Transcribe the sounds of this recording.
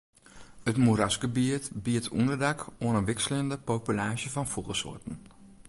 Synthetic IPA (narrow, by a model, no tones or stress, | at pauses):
ətmuɾasɡəbiətbiətʰṵndəɹdakonəʋɪksələndəpowpylaːʒəvɑnfuχəsʊ̰ːɹtən̩